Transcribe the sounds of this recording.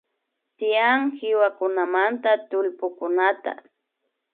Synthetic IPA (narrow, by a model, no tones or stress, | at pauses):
t̪ɪjaŋhɪwakʊnamant̪at̪ʊlpʊkʊnat̪a̰